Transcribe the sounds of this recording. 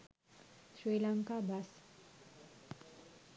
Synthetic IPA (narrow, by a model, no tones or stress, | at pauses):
sɾilaŋkabas